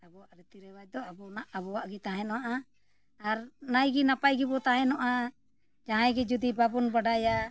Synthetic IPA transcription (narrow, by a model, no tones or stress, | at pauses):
abɔwaʔɾɛt̪iɾɛwac̚d̪ɔabɔnaʔabɔwaʔɡit̪aɦɛ̃nɔwaʔa | aɾnajɡinapajɡibɔt̪aɦɛ̃nɔʔa | d͡ʒaɦãjɡɛd͡ʒud̪ibabɔnbaɖaja